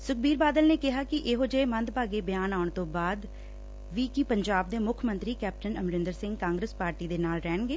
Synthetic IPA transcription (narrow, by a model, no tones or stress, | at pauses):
sʊk̚biːɾbaːd̪əlneːkɪɦaːkɪʔɪɦoːd͡ʒəeːmə̃nd̪̚paːɡeːbɪjaːnaːʊɳ̃t̪õːbaːd̪ | ʋiːkɪpəɲd͡ʒaːb̚d̪eːmʊkʰmə̃nt̪ɾiːkɛːp̚ʈənəmɾɪ̃nd̪əɾsɪ̃ŋɡkãːŋɡɾəspaːɾʈiːd̪eːnaːlɾɛːnɡeː